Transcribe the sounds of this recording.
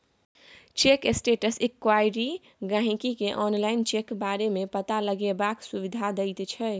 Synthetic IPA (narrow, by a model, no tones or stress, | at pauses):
t͡ʃekesʈeʈəsikwajɾi | ɡãɦĩkikeʔɔnlaint͡ʃekbaɾemepət̪aləɡebaksuβid̪ʱad̪əjt̪t͡ʃʰɛ